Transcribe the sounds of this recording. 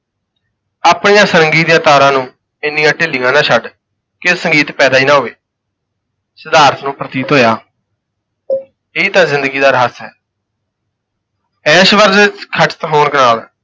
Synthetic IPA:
aːpɳijãːsəɾəŋɡiːt̪jãːt̪aːɾãːnũː | ɪnːijãːʈɪlijãːnãːʃʰəɖ | kɪsəŋɡiːt̪pɛːd̪aːiːnãːɦoːʋeː | səd̪aːɾt̪ʰnũːpɾət̪iːt̪ɦoːjaː | ɪiːt̪ãːzɪnd̪əɡiːd̪aːɾɦaːsɦɛ̰ː | ɛːʃʋəɾd͡ʒt͡ʃkʰəʈə̥t̪ɦoːnkənaːl

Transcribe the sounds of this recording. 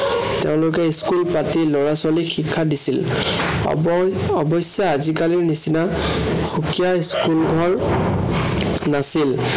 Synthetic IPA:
teʊ̃lʊkɛiskulpatilɔɹaswalixikʰːadisil̰ | ɔbɔsjaazikaliɹnisina | xukijaiskulɡʱɔɹ | nasil

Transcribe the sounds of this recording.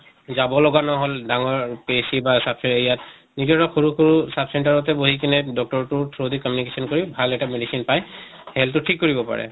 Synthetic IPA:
zabɔlɔɡanɔɦɔldaŋɔɹpesibasabsɛɹeijat | nizɔɹɔxʰuɹuxuɹusabsɛntaɹɔtɛboɦik̬inɛdɔk̚tɔɹtʊtʰɹodikɔmjunikesɔnkoɹibʱalɛtamedisinpaj | hɛltʊtʰikːoɹibɔpa̰ɹɛ̰

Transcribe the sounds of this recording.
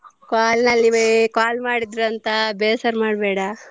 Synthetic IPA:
kaːlnɐlːikaːlmaːɽid̪ɾuɐnt̪ɐbeːsɐɾmaːɽbɛːɽɐ

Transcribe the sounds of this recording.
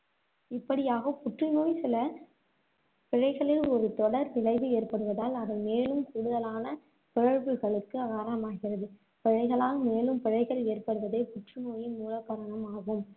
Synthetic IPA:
ɪpːɐɽɪjaːɣɐpʊʈrɯnoːjsɪlɐ | pɪɻɐɪɣɐɭɪlɔɾɯt̪ɔɽɐɾnɪlɐɪðɯeːrpɐɽɯʋɐðaːlɐðɐlmeːlɯmkuːɽɯðɐlaːnɐ | pɪɻɐɻʋɯɣɐɭɯkːɯɐɣaːɾɐɐmaːɣɪrɐðɯ | pɪɻɐɪɣɐɭaːɣmeːlɯmpɪɻɐɪɣɐɭeːrpɐɽɯʋɐðeɪpʊʈrɯnoːjɪnmuːlɐkːɐɾɐɳɐmaːɣɯm

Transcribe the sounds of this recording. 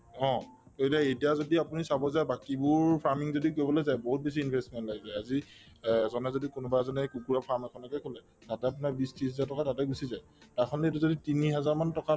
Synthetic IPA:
ɔ̃ | oetiaejtijazodiapunisabɔzajbakibʊɹpʰaɹmiŋzodikojbɔlozajboɦut̚bes̬iːnbʱɛstmɛntlaɡizajazi | zɔnɛzodikunubazɔnɛkukuɹapʰaɹmɛkʰɔnɔkɛkʰɔlɛ | tatɛap̬unaɹbistisɦɛzaɹtɔkatatɛɡusizaj | taɹkʰɔnɛetuzoditiniɦɛzaɹmantɔka

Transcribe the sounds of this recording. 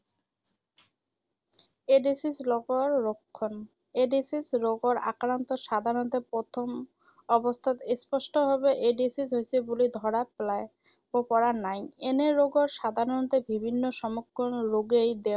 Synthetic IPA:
eɖisisloɡoɾːokʰːon | eɖisisɾoɡoɾa̰kɾant̪oʃad̪ʱaɾont̪epɾot̪ʰom | ɔbost̪ʰat̪espɔʃʈoɦɔbeʔeɖisisɦojsʰebulid̪ʱɔɾaplae | bopɔɾanajeneɾoɡoɾʃad̪ʱaɾont̪ebibʱinːoʃɔmokʰːonɾoɡejd̪e

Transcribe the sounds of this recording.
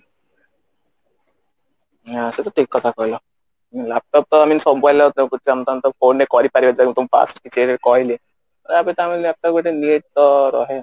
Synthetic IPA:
ɦaset̪ɔʈʰikːɔt̪ʰakɔɦjlɔ | milap̚ʈɔp̚t̪ɔaminsɔbɔjlɔt̪kut̪ːamt̪ant̪ɔfʰonːekɔɾipaɾibad͡ʑ̪akĩt̪umpa̰skit͡ʃʰeɾekɔɦile | t̪ɔɾapet̪ɔaminlap̚ʈɔpkeʈeniʈ̚t̪ɔɾɔ̰ɦe

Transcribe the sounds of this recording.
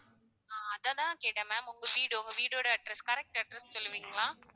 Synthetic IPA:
aːɐðãːt̪ãːkeːʈːɐmaːmʊŋɡɐʋiːɽɯʊŋɡɐʋiːɽoːɽɐɐʈɾɐskɐɾɛk̚ʈɐɖɾɛssɔlːɯʋiːŋɡɐlãː

